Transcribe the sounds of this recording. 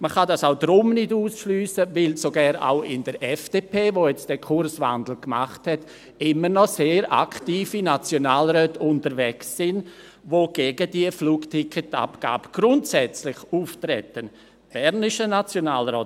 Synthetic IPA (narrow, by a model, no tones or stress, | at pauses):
məχadasaʊdɾʊmnɪduːsʃlyːsəvɪlsoɡɛːɾa̰ʊʔɪndəɾʔɛfd̥eːpʰeːvojɛt͡std̥ɛkʰʊɾrsva̰ndl̩kmaχthɛt | ɪmənɔseːɾʔa̰ktiːfinat͡sjonaːlɾœːtʊntəɾvɛksːɪn | voɡ̥eːɡədiəfluːktʰɪkʰəta̰pɡ̥a̰ːb̥əɡ̥ɾʊntsɛt͡slɪχuːftɾɛtən | b̥ɛɾnɪʃənat͡sjonaːlɾɔːt